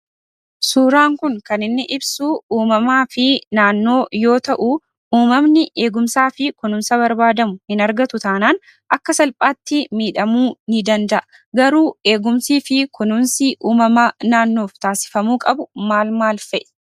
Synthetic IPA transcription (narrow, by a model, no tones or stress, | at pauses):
suːɾaːŋkʊŋkɐnɪnːɪʔɪbsuːuːmɐmaːfɪnaːnːo̞ːjo̞ːt̪ɐʔu | uːmɐmnɪʔe̞ːɡʊmsaːfɪkʊnʊmsɐbɐɾbaːd̪ɐmʊhɪnɐɾɡɐt̪ʊt̪aːnaːn | ʔɐkːɐsɐlpʼaːt̪ːɪmiːᶑɐmuːnɪd̪ɐnd̪ɐʔɐ | ɡɐɾuːe̞ːɡʊmsiːfɪkʊnʊmsiʔuːmɐmanaːnːo̞ːft̪aːsɪ̥fɐmuːkʼɐbʊmaːlmaːlfɛʔ